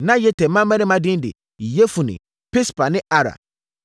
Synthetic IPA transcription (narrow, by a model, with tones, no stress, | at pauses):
nã˦jɛ˦tʰɛ˨mã˦mː˦ɛ̃˦nɪ̃˦mã˦dɪ̃˦n˦dɪ̰˨ | je˦fu˨nɪ̰̃˨ | pʰɪ˦spa˨nɪ̃˦a˦ɾa̰˨